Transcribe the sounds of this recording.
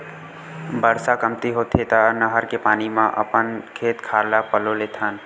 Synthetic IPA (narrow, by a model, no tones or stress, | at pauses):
bəɾsakəmt̪iɦoːt̪ʰet̪anəɦəɾkepaːnimãʔə̰pənkʰeːt̪kʰaːɾlapəloleːt̪ʰaːn